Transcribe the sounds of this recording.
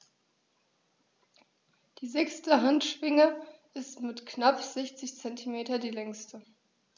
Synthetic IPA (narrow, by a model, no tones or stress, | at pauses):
d̥iːzɛkstəɦantʃv̥ɪŋəɪstmɪtknapz̥ɛçt͡sɪçt͡sɛntʰimeːtɐdiːlɛŋstə